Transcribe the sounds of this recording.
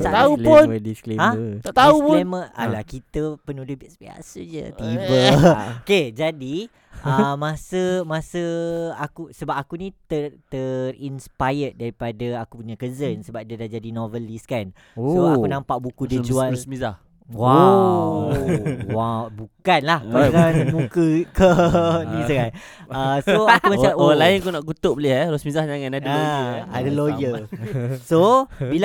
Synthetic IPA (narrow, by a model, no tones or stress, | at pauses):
saauluədiskleãt̪t̪auʊeməa̰lahkit̪əpənudəhbisbia̰sə̰d͡ʒə̰t̪ibəoked͡ʒadi | əmãsəmasəakusəbap̚akunit̪ət̪ərinspajədaɾipadaakupuɲakəzənsəbap̚dədad͡ʒadinovəliskan | soakunãmpaʔbukudid͡ʒualsmizah | wa | wabukanlahaŋanmukəkənĩsəkan | əsoakumaamoalainkunaʔkut̪ʊʔbəlɪhɾɔsmizahɲaŋanadaadalojə | sobila